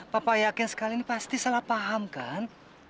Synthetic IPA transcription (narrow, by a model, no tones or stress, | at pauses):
papajakɪnsə̥kalinipast̪isalahpaɦamkan